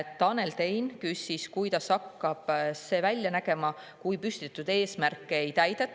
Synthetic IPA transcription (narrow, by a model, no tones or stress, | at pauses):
t̪ːɑne̞lt̪e̞jnkysʲiskujt̪ɑsɑkːɑb̥se̞ːvælʲjɑnæɡ̥e̞mɑ | kujpysʲt̪it̪ːˑud̪e̞ːsmærkːeejt̪æjd̪̥et̪ː